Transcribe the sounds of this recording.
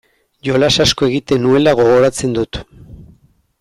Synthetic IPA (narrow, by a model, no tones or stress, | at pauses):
ʝo̞lasasko̞e̞ɣit̪e̞nue̞laɣ̞o̞ɣo̞ɾat͡se̞nd̪ut̪